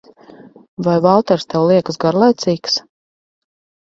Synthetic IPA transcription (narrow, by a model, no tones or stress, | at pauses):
vajvalˠt̪ɛɾst̪ɛwlˠiɛkəsɡaɾlˠajt̪siːks